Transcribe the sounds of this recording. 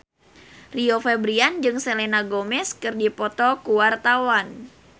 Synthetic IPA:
riofɛbɾiand͡ʒɨŋselenaɡomɛskɨrdipɔt̪ɔkuwart̪awan

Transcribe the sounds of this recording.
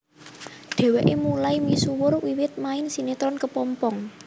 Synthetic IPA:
ɖ̪̥e̤weʔemulaimisuwʊrwiwɪt̪̚maɪnsinet̪ɾɔnkəpɔmpɔŋ

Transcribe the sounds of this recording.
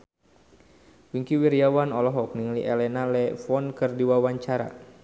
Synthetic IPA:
wiŋkiwirjawanɔlɔɦɔk̚niŋliʔɛlɛnalɛfɔnkɨrdiwawaɲt͡ʃaɾa̰

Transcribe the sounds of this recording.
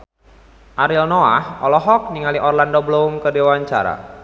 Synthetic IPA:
ʔaɾilnoa̰hɔlɔɦɔk̚niŋaliʔɔrlandobloumkədewaɲt͡ʃaɾa̰

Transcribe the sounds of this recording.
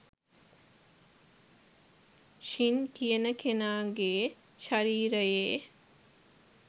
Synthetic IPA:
ʃint̪ʰijənəkʰenaːɡeː | ʃaɾiːɾəjeː

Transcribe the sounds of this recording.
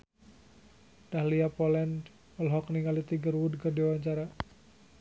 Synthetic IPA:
d̥ahliapɔlɛnd | ɔlɦɔkniŋalit̪iɡərwudkərdiwaɲt͡ʃaɾa

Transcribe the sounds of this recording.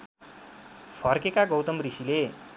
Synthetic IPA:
pʰʌrkekaɡʌwt̪ʌmrisile

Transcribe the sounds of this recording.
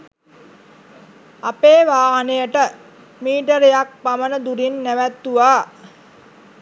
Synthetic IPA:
apeːʋaːnejəʈə | miːʈəɾejak̚pamənəd̪uɾinːæʋæt̪ːuʋaː

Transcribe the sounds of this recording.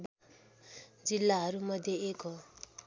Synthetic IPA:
b | d͡zilːaɦʌɾumʌd̪ʱjeeko

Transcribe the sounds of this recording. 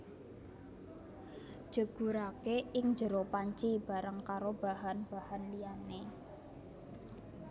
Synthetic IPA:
ʒ̥ə̤ɡ̥ṳɾakeɪŋɲd͡ʒəɾopaɲt͡ʃib̥a̤ɾəŋkaɾob̥a̤ɦanb̥ahanlijane

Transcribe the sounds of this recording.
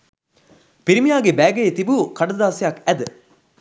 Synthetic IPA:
piɾimijaːɡebæːɡeet̪ibukɐɖɐd̪aːsejɐkæd̪ə

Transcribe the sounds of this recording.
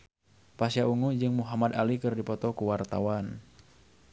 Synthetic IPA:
pasijauŋud͡ʒɨŋmuɦamad̪alikɨrdipɔt̪ɔkuwart̪a̰wan

